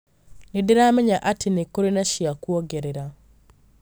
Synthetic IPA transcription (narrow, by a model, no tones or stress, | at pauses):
nidiɾameɲaʔatʰinekoɾinaʃjakwoɡeɾeɾa